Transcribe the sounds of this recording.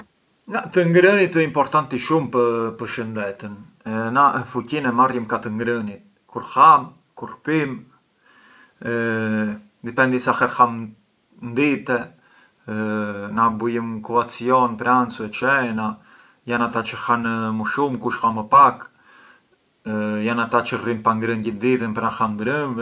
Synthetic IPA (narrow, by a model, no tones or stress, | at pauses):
ŋɡat̪əŋɡɾənit̪əimpɔɾt̪ant̪iʃumpəpəɾʃənd̪ɛt̪ən | nafucinɛmarjəmkat̪əŋɡɾənit̪̚ | kuɾxam | kurpim | d̪ipɛnd̪isaxɛɾxam | nd̪it̪ɛ | nabujəmkuat͡siɔnpɾɛant͡suɛt͡ʃɛna | janat̪at͡ʃəxanəmuʃumkuʃxaməpak | janat̪at͡ʃərimpaŋɡɾənɟid̪it̪ənpɾaxamnd̪ɾənv